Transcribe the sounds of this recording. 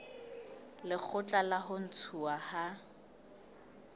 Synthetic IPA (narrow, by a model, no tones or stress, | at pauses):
lɪk͡xʰʊt͡ɬʼalaɦʊn̩t͡sʰuaha